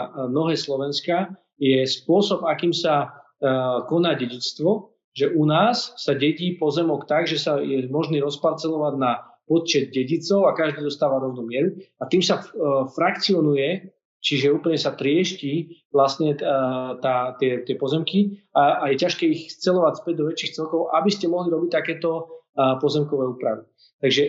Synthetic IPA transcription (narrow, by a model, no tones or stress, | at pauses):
nɔɦɛːslɔʋɛnska | jɛspʊɔsɔbakiːmsa | kɔnaːɟɛɟit͡st̪ʋɔ | ʒɛʔunaːsːaɟɛɟiːpɔzɛmɔkt̪aɡʒɛsajɛmɔʒniːɾɔspaɾt͡sɛlɔʋaɟna | pɔt̪̚t͡ʃɛd̪̚ɟɛɟit͡sɔʊakaʒd̪iːd̪ɔst̪aːʋaɾɔʊnuːmɪɛɾuat̪iːmsafɾakt͡siɔnujɛ | t͡ʃiʒɛuːpl̩ɲɛsat̪ɾɪɛʃciːʋlast̪ɲɛt̪aːt̪ɪɛt̪ɪɛpɔzɛmkiaajɛcaʃkɛːixt͡sɛlɔʋacfpɛɟ̚d̪ɔʋɛt͡ʃiːxt͡sɛlkɔʊʔabiscɛmɔɦliɾɔbic̚t̪ːakɛːt̪ɔpɔzɛmkɔʋɛuːpɾaʋi | t̪aɡʒɛ